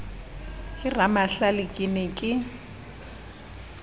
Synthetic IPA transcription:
kʼɪramaɬalɪkʼɪnɪkʼɪ

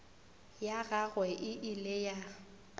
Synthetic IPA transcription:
jaɣaɣwɛʔɪʔɪleja

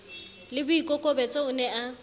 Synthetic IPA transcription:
lɪbʊikʼɔkʼɔbɛt͡sʼɔʊnɛa

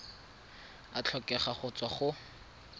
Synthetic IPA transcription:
at͡ɬʰɔkɛχaχʊt͡swaχʊ

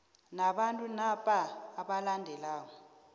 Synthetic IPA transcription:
naɓantʼunapʼaːɓalandʱɛlaːwɔ

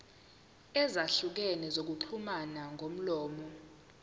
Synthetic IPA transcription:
ɛzaɬuk̬ɛnɛzok̬uǃʰumanaŋʱom̩lɔːmɔ

